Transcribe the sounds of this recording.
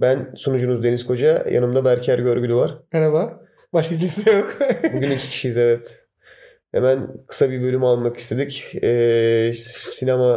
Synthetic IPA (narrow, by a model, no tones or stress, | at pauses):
bænsonud͡ʒunuzd̪enizkʰo̞d͡ʒaja̰nɯmd̪abæɾcʰæɾɟø̞ɾɟylʲyvaɾ̥mɛɾaba | baʃkɯlisɛjokbuɟynicʰi̥cʰi̥ʃijizevɛt̪ | hḛmænkʰɯ̥sabibø̞lʲymalˠmaki̥st̪ʰe̞d̪icɛː | sinama